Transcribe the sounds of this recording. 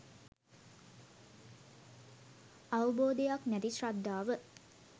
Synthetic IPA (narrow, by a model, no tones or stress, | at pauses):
awəboːd̪ejaknæt̪iʃrad̪ːaːʋə